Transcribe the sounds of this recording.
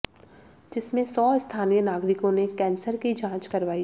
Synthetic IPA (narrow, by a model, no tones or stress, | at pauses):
d͡ʒɪsmẽsɔːɪst̪ʰaːnijənaːɡɾɪkõnekɛ̃ːnsəɾkid͡ʒãːt͡ʃkɐɾʋaːi